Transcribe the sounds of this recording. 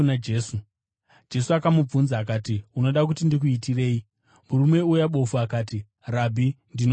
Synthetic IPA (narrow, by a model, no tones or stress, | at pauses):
nad͡ʒeːsu | d͡ʒe̞suakamub͡vunzaːk̬aːtiuno̞ɗak̬utindik̬uitire̞ːi | muɾumwe̞ujaɓo̞fuakaːti | rabʱi | ndino